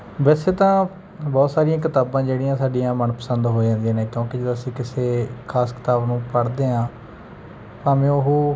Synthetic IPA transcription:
ʋɛːseːt̪ãː | bɔːt̪saːɾijãːk̬ɪt̪aːbãːd͡ʒeːɽiːãːsaːɖijãːmənpəsənd̪ɦoːd͡ʒãːnd̪ijãːnẽːkjõːked͡ʒed̪oːəsĩːkɪseːkʰaːskɪ̥t̪aːbnũːpəɽd̪eːɦãː | pãːmẽːʊɦoː

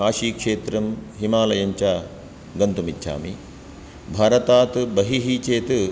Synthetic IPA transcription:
aːʃiːkʂeːt̪ɾɐmɦimaːlɐjɐɲt͡ʃaː | ɡɐnt̪umit̪ːʃʰa̰ːmi | bʱaːɾɐt̪aːt̪bɐɦiɦit͡ʃeːt̪

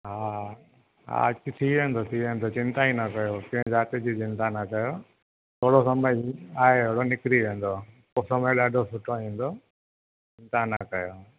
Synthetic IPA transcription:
ɦaː | ɦa̰ːɐt͡ɕɪt̪ʰiʋẽːn̆d̪ot̪ʰiʋẽːn̆d̪ot͡ɕɪ̃nt̪aĩnɐkɐjokɪ̃ɦɪ̃zaːt̪ed͡ʑit͡ɕɪ̃nt̪anɐkɐjo | t̪ʰoːɽosɐməaːɦeʋɐɽonɪkɾiʋẽːn̆d̪o | kosɐməeɗaːɖʱosʊʈʰoẽːn̆d̪o | t͡ɕɪ̃nt̪anɐkɐjo

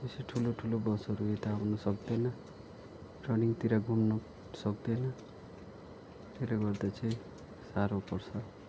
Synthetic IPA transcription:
eseʈʰuloʈʰulobʌsʌɾuet̪anɔsʌkd̪ena | ʈɾʌniŋt̪iɾaɡʱumnɔ | sʌkd̪ena | t̪eleɡʌɾd̪at͡ʃʰi | saɾopɔɾsʰʌ

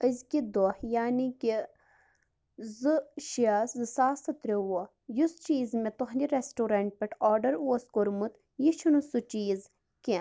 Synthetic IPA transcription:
əzʲkid̪ohjaːniki | zɨʃiaszɨsaːsɐt̪ɾʲewo | just͡ʃiːzmet̪oɦndiɾesʈuɾɐɳʈ̚pʲeʈʰoːɖɐɾuɐskoɾmut̪ | jiʃʰunusut͡ʃiːz | ki

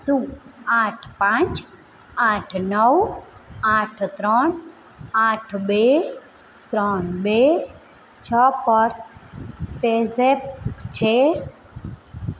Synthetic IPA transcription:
sũaːʈʰpãːt͡ʃ | aːʈʰnəw | aːʈʰt̪ɾɔɳ | aːʈʰbe | t̪ɾɔɳbe | t͡ʃʰɔpəɾ | pesep̚t͡ʃʰe

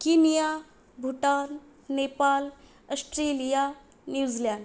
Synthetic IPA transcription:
kinija | bʱuʈal | nepal | əsʈɾelija | njud͡zljaɳ

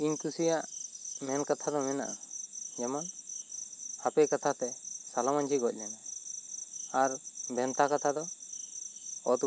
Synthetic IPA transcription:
iɲkusijaʔmɛnkat̪ʰad̪ɔmɛna̰ʔad͡ʒɛmɔn | hapɛkat̪ʰat̪ɛsalamaɲd͡ʒʰiɡɔc̚ˀlɛna | aɾbʱɛnt̪akat̪ʰad̪ɔ | ɔt̪

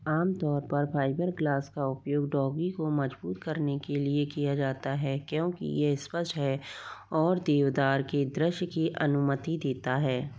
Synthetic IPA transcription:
aːmt̪ɔːɾpɐɾpʰaːɪbəɾɡlaːskaʊpjoːɡɖɔːɡikomɐd͡ʒbuːt̪kɐɾnekeliekijad͡ʒaːt̪aɦɛːkjõːkḭjespəsɦɛɔːɾd̪eːʋd̪aːɾked̪ɾɪʃkiʔɐnʊmət̪id̪eːt̪aɦɛː

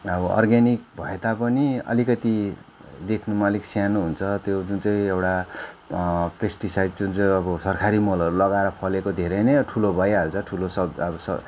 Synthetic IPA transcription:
ʌbʌʌ̰rɡanik̚bʱʌet̪apʌniʌ̰likʌt̪i | d̪ekʰnumʌliksjanuɦunt͡sʰʌt̪jod͡zunt͡sʌĩewʈa | presʈisajdd͡zunt͡sʌj̃ʌbʌsʌrkʰaɾimʌlʌɾulʌɡaeɾʌpʰʌlekod̪ʱeɾʌjnʌʌʈʰulobʌjaɦʌlt͡sʰʌʈʰulosʌʌbʌsʌ̰

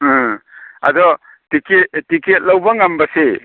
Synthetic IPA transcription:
ɐ̰dɔ | tiket̚tiket̚lawbɐŋambɐse

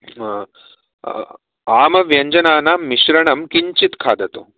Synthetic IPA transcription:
aːmɐʋjɐɲd͡ʒɐnaːnaːiɕɾɐɳɐmkiɲt͡ɕit̪kʰaːd̪ɐt̪o̰

